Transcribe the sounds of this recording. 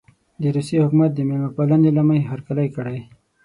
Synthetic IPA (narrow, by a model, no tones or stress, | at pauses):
d̪əɾusehʊkmat̪̚d̪əmelmapalanelamajɦaɾkalajkəɽaj